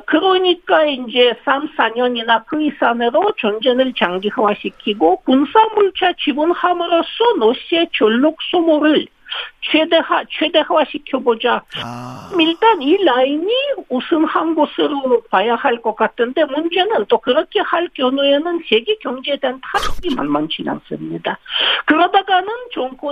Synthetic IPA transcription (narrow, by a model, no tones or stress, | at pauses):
kɯɾʌɲik͈aeind͡ʑe̞sʰams͈ʰaɲʌɲinakɯisʰaneɾot͡ɕʌnd͡ʑe̞nɯɭt͡ɕaŋɡihawaɕʰikʰiɡokunsʰamuɭt͡ɕʰat͡ɕibɯnhamɯɾos͈ʌnoɕʰiet͡ɕʌɭːok̚s͈omoɾɯɭ | t͡ɕʰwedehat͡ɕʰwe̞de̞hawaɕʰikʰjobod͡ʑa | miɭtanilainiusʰɯnhamɡosɯɾonok̚pajahaɭk͈ʌk͈ːatʰɯnd̪e̞mund͡ʑenɯnt̪okɯɾʌkʰehaɭkjʌnoenɯnt͡ɕeɡekjʌŋd͡ʑed̪ent̪ʰaɾoɡima̰nmant͡ɕina̰ŋs͈ɯmɲid̪akɯɾʌd̪aɡanɯnt͡ɕoŋko